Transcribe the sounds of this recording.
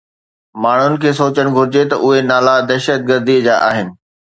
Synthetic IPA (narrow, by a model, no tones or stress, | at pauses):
maːɳ̤ʊnɪ̆kʰeːsoːt͡ɕəñɪɡʱʊɾɪd͡ʑet̪ɐʔʊɦenaːlad̪ɛɦʃət̪̚ɡəɾd̪id͡ʑaːʔaːɦɪnɪ̆